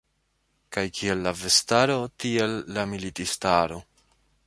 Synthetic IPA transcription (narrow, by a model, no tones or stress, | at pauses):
kajkʰie̞lːave̞staɾo̞tie̞lːamilitistaɾo̞